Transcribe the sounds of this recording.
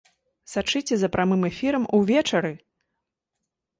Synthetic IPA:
sat͡ʂɨt͡sʲɛzɐpɾamɨmɛfʲiɾɐmuvʲɛt͡ʂɐɾɨ

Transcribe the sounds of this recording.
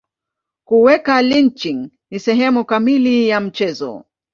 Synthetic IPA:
kuwɛkalint͡ʃiŋ | nisɛɦɛmukamilijam̩t͡ʃɛzɔ̰

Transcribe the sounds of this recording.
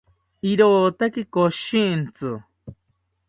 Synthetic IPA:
iɾoːt̪akikoʃint͡sɨ

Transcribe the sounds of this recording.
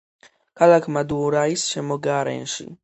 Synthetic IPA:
kalakmad̪uɾajsɕɛmɔɡaaɾɛ̰nʂḭ

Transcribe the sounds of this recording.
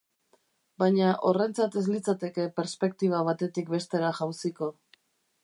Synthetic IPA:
bajɲaʔo̞re̞nt͡sat̪e̞zlit͡sat̪e̞ke̞pe̞ɾspe̞k̚t̪iβ̞aβ̞at̪e̞t̪ikbe̞st̪e̞ɾaxawsiko̞

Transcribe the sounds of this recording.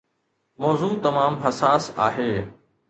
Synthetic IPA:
mɔːzuːt̪ɐmaːmɦɐsaːsa̰ːɦeː

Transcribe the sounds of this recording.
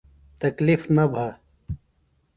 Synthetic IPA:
t̪ɐklifnɐbʱa

